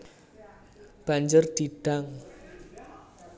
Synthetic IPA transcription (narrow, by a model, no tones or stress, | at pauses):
b̥aɲd͡ʒərd̪̥iɖ̥aŋ